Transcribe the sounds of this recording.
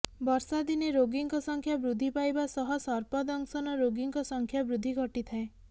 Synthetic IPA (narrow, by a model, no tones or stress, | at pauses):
bɔɾsad̪ineɾoɡiŋkɔsɔŋkʰjabɾud̪ʱːipajbasɔɦɔsɔɾpɔd̪ɔŋsɔnɔɾoɡiŋkɔsɔŋkʰjabɾud̪ʱːiɡʱɔʈit̪ʰae